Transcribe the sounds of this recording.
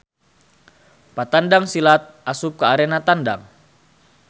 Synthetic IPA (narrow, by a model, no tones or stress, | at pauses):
pat̪andaŋsilat̪̚ʔasup̚kaaɾɛnat̪anda̰ŋ